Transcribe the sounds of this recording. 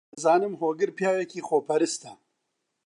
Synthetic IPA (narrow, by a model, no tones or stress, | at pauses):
zɑːnɨmɦoːɡɨɾpjaːjekiːxoːpʰɐɾɨst̪ɐ